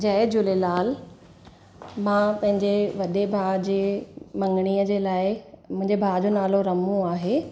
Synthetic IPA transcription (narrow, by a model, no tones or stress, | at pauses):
d͡ʑɐɪd͡ʑʊlelaːl | mãːpɐ̃ɦɪ̃ɲd͡ʑeʋɐɗebʱaːd͡ʑeːmɐ̃ŋɡɽ̃iːəd͡ʑeːlaːɪmʊ̃ɦɪ̃ɲd͡ʑebʱaːd͡ʑonaːloɾɐmũaːɦeː